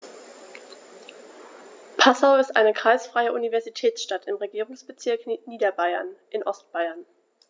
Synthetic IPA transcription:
pʰasaʊɪstʔa̰ɪnəkʁ̥aɪsfʁ̥aɪəʔunivɛɐzitʰɛːt͡sʃtatɪmʁeɡiːʁʊŋsb̥ət͡sɪɐkniːdɐbaɪɐ̰nʔɪnʔɔstb̥aɪɐn

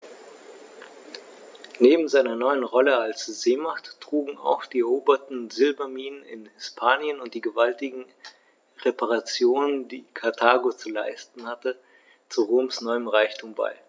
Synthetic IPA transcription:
neːbm̩zaɪnɐnɔʏənʁɔləalsz̥eːmaχtːʁ̥uːɡŋ̩a̰ʊxd̥iːɛʁoːbɐtn̩zɪlbɐmiːnənɪ̰nhɪspʰaːnjənʊnt̚d̥iːɡəvaltɪɡŋ̩ | ʁepʰaʁat͡sjoːnəndiːkʰaɐtʰaːɡot͡sula̰ɪstn̩hatə | t͡suʁoːmsnɔʏəmʁaɪçtʰuːmba̰ɪ

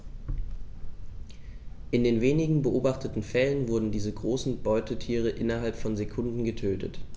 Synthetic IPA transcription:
ʔɪndeːnveːnɪɡŋ̩bəʔoːbaχtətn̩fɛlənvʊɐdn̩diːzəɡʁoːsn̩bɔʏtətʰiːʁ̞əʔɪnɐɦalpfɔnzekʰʊndn̩ɡətʰøːtʰə̰t

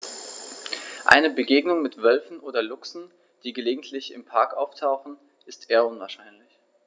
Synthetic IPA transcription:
ʔa̰ɪnəbəɡeːɡnʊŋmɪtv̥œlfn̩ʔoːdɐlʊksn̩ | d̥iːɡəleːɡŋ̩tʰlɪçɪmpʰaɐkʔaʊftʰaʊxn̩ | ʔɪstʔeːɐʊnvaɐʃaɪnlɪç

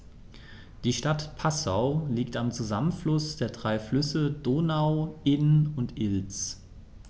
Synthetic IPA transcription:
d̥iːʃtatpʰasa̰ʊliːktamt͡suzamənflʊsd̥eːɐdʁaɪflʏsəd̥oːnaʊʔɪnʊntʔɪlt͡s

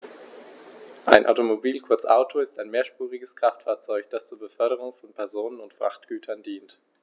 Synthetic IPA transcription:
ʔa̰ɪnʔa̰ʊtomobiːlkʰʊɐt͡sʔa̰ʊtʰoɪstaɪnmeːɐʃpuːʁɪɡəskʁ̥aftfaːɐt͡sɔʏçd̥ast͡suːɐbəfœɐɾəʁ̞ʊŋfɔnpʰɛɐzoːnənʊntfʁ̥a̰χtɡ̥yːtʰɐndiːnt

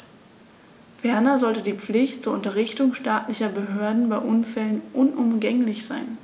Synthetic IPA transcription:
fɛɐnɐzɔltədiːp͡flɪçtt͡suːɐʊntɐʁɪçtʊŋʃtaːtlɪçɐbəɦøːɐdn̩baɪʔʊnfɛlənʔʊnʔʊmɡɛŋlɪçz̥aɪn

